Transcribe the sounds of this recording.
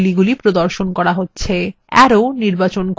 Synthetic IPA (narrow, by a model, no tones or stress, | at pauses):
liɡulipɾod̪oɾʃonkɔɾaɦotːɕʰe | ɛ̰ɾoniɾbat͡ɕonk